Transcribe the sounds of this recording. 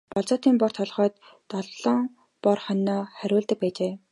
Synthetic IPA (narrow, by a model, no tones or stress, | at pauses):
pɔɮt͡sɔːt̪iːmpɔr̥t̪ʰɔɮʁœːt̪ː | ɔɮɮɞŋ | pɔrχɔnɔːχæɾʲʊːɮt̪ə̆k̚pæːt͡ɕeː